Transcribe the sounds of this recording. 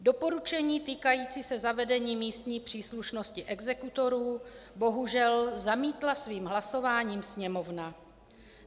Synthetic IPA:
do̞po̞ɾut͡ʃɛɲiːt̪iːkajiːt͡sisɛzavɛdɛɲiːmiːst̪ɲiːpr̥iːsluʃno̞scɪʔɛɡzɛkut̪o̞ɾuːbo̞ɦuʒɛlzamiːt̪lasviːmɦlaso̞vaːɲiːmsɲɛmo̞vna

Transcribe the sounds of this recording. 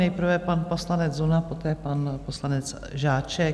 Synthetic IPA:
nɛjpr̩vɛpanpo̞slanɛd͡zzunapo̞t̪ɛːpanposlanɛt͡s | ʒaːt͡ʃɛ

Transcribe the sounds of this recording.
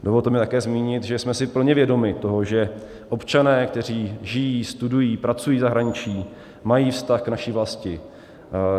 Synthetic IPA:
do̞volt̪ɛmɪɛt̪akɛːzmiːɲɪt̪ʒɛsmɛsɪpl̩ɲɛvjɛdo̞mɪt̪o̞ɦo̞ʒɛ | ʔo̞pt͡ʃanɛːkt̪ɛr̝iːʒɪjiːst̪udujiːpɾat͡sujiːzaɦɾaɲɪt͡ʃiː | majiːfst̪axknaʃiːvlascɪ

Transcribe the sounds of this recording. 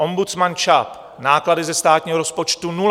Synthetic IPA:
ʔombut͡smant͡ʃap | naːkladɪzɛst̪aːt̪ɲiːɦoɾospot͡ʃt̪unu

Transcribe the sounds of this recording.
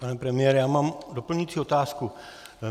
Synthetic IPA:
paːnɛpɾɛmɪjɛːɾɛjaːmaːmd̪opl̩ɲit͡siɔt̪aːsku

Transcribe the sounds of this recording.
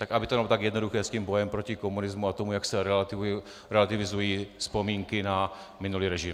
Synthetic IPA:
t̪akʔabɪt̪omalot̪aɡjɛdno̞duxɛːsciːmbo̞jɛmpɾocɪkomunɪzmuat̪omujaksɛɾɛlat̪ɪ | ɾɛlat̪ɪvɪzujiːspo̞miːŋkɪna | mɪnuliːɾɛʒɪm

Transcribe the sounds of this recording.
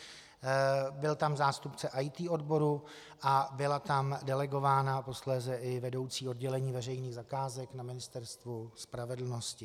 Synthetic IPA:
bɪlt̪amzaːst̪upt͡sɛʔajt̪iːʔo̞dbo̞ɾu | ʔabɪlat̪amdɛlɛɡo̞vaːnapo̞slɛːzɛʔɪvɛdo̞wt͡siːo̞dɟɛlɛɲiːvɛr̝ɛjniːɣzakaːzɛknamɪnɪst̪ɛɾst̪vuspɾavɛdl̩no̞scɪ

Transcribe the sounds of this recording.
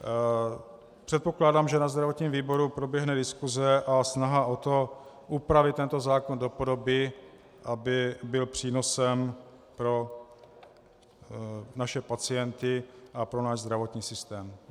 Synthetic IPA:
pr̝̥ɛt̪̚po̞klaːdaːmʒɛnazd̪ɾavo̞t̪ɲiːmviːbo̞ɾupɾo̞bjɛɦnɛdɪskuzɛʔasnaɦaʔot̪o̞ | ʔupɾavɪt̪t̪ːɛnt̪o̞zaːkondo̞po̞do̞bɪ | ʔabɪbɪlpr̥iːno̞sɛm | pɾo̞ | naʃɛpat͡sɪjɛnt̪ɪʔapɾo̞naːʒzd̪ɾavo̞t̪ɲiːsɪst̪ɛːm

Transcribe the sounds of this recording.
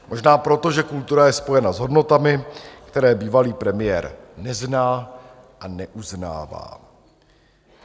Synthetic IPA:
mʔo̞ʒnaːpɾo̞t̪o̞ʒɛkult̪uɾajɛspo̞jɛnazɦo̞dno̞t̪amɪkt̪ɛɾɛːbiːvaliːpɾɛmɪjɛːɾnɛznaː | ʔanɛʔuzna̰ːva̰ː

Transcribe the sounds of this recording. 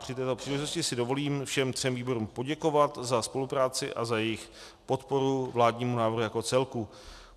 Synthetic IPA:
pr̝̥ɪt̪ɛːt̪o̞pr̥iːlɛʒɪt̪oscɪsɪdovo̞liːmfʃɛmt̪r̝̥ɛmviːbo̞ɾumpo̞ɟɛko̞vat̪zaspo̞lupɾaːt͡sɪʔa̰zajɛjɪx | po̞t̪po̞ɾuvlaːdɲiːmunaːvɾrɦujako̞t͡sɛlku

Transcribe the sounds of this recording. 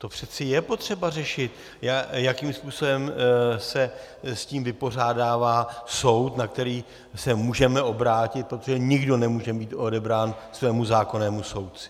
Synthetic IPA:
t̪o̞pr̝̥ɛt͡sɪjɛpo̞t̪r̝̥ɛbarɛʃɪt̪ | jajakiːmspuːso̞bɛmsɛ | sciːmvɪpo̞r̝aːdaːvaːso̞wt̪nak̚t̪ɛɾiː | sɛmuːʒɛmɛʔo̞bɾaːcɪt̪̚pɾot̪oʒɛɲɪɡdo̞nɛmuːʒɛbiːt̪ʔo̞dɛbɾaːnsvɛːmuzaːko̞nɛːmuso̞wtt͡sɪ̥

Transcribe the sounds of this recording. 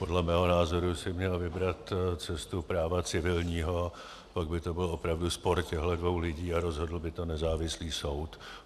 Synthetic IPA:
po̞dlɛmɛːɦo̞naːzo̞ɾusɪmɲɛlvɪbɾat̪t͡sɛst̪upɾaːvat͡sɪvɪlɲiːɦo̞ | paɡbɪt̪o̞bɪlo̞pɾavduspo̞ɾcɛɦlɛdvo̞wlɪɟiːaɾo̞zɦo̞dl̩bɪt̪o̞nɛzaːvɪsliːso̞wt̪

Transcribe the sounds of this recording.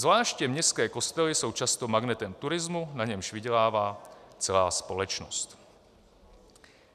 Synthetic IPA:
zvlaːʃcɛmɲɛskɛːkost̪ɛlɪso̞wt͡ʃast̪omaɡnɛt̪ɛmt̪uɾɪzmunaɲɛmʒviɟɛlaːvaːt͡sɛlaːspolɛt͡ʃno̰st̪

